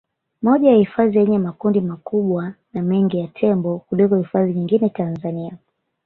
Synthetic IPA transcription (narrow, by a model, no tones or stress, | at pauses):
mɔʄajahifazijɛɲɛmakundimakuɓwanamɛŋɡijatʰɛmbɔkulikɔhifaziɲiŋɡinɛtanzania